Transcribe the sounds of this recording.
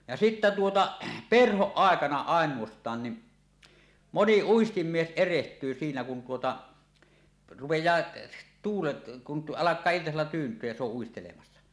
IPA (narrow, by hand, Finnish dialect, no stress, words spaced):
jɑ sitːæ tuotɑ perhoʔ ʔɑˑekɑnɑ ɑˑenˑuostˑɑːn ni moni uistimːies erehtˑyː siːnæ kun tuotɑ rupejˑɑː tuːlet kun t ʔɑlɑkˑɑː iltɑselːɑ tyːntˑyøj jɑ se oʔ ʔuistelemɑsːɑ